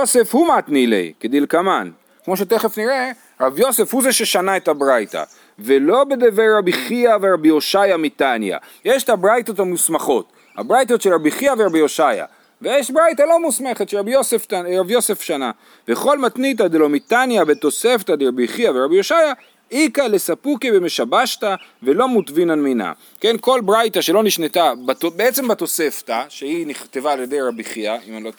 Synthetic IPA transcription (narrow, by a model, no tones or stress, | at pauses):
jose̞fhumat̪nilḛjked̪ilkaman | kmo̞ʃ̬et̪eχe̞fniʁe | ʁabjo̞se̞fhuzeʃe̞ʃanaetabʁajta̰ | velo̞bed̪eveʁabiχiaveʁabijo̞ʃajamit̪anja̰ | jeʃt̪abʁajto̞tamusmaχo̞t | ha̰bʁajto̞tʃelʁabiχiaveʁabijoʃaja̰ | vejeʃbʁajtalo̞musme̞χet̪ʃeʁabjoseftaʁabjo̞se̞fʃana̰ | veχo̞lmat̪nit̬ad̪elomitanjabet̪o̞se̞ft̪ad̪eʁabiχiaveʁabijo̞ʃaja | ikale̞sapukeveme̞ʃabaʃtave̞lomutvinalmina̰ | ke̞nko̞lbʁajtaʃelo̞niʃnet̪abatobeet͡se̞mbato̞se̞ftaʃeiniχt̪evaːlje̞dejʁabiχiaimalo